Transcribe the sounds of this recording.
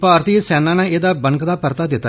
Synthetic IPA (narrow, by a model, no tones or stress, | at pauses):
paːɾt̪iːsɛːnãːnãːeːd̪aːbəŋkd̪aːpəɾt̪aːd̪ɪt̪ːa